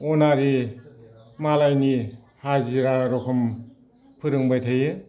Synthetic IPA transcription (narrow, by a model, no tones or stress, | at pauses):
ɔnaɾi | malajni | haziɾaɾɔkʰɔm | pʰɯɾɯŋbajtʰɯjɯ